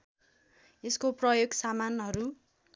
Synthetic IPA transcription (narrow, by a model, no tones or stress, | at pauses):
eskoprʌjoɡsamanɦʌɾu